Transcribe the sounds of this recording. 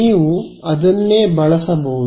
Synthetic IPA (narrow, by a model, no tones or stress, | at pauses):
iːʋuɐd̪ɐnːeːbɐɭɐsɐbɐ